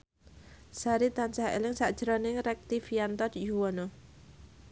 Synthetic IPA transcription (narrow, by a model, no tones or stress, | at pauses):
saɾit̪ant͡ʃahḛlɪŋsaʔd̥ʒ̥əɾɔnɪŋɾɛk̚t̪ifijant̪ɔd̪juwɔno